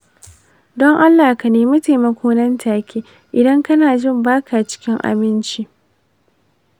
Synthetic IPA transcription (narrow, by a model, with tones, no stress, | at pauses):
dɔ˦ŋʔa˦lːaː˨ka˨neː˦mʊ˦ta˨mɐ˨kʰʷoː˦nɐ˦ntʰaː˨kʲʰiː˦ | ʔɪ˨dɐ˦ŋkɐ˦naː˨d͡ʒɪ˦˨mbaː˦kʰa˨t͡ʃɪ̥˦kʲɪ˦ŋʔa̰˨mɪ˦nt͡ʃi˦